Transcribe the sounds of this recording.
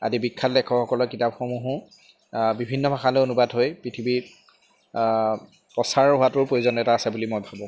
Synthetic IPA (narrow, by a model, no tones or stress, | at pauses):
a̰dibikʰːatlɛkʰɔxɔkɔlɔkitapxomuɦũ | bibʱinːɔbʱaxalojonubadɦojpɹitʰibi | pɔsaɹɦoatʊɹpɹojzɔnɛtaːsɛbulimojbʱabɔ̃